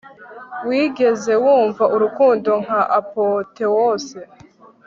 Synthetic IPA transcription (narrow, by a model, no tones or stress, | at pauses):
wiːɡe̞ze̞wuːɱvaʔuɾukuːndo̞ŋhaʔapote̞wo̞ːse̞